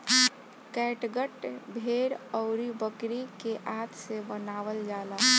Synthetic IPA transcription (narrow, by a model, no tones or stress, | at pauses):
kɛʈɡəʈbʱeɾɔʊɾibəkɾikeʔat̪sebənaʋəld͡ʒala